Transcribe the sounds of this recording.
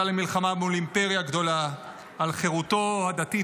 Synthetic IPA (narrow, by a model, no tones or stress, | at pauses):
alemilχamabmulimpeʁjaɡd̪o̞laː | lχeʁut̪o̞had̪at̪i